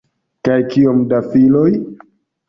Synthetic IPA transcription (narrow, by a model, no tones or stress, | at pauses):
kajkiomdafiloj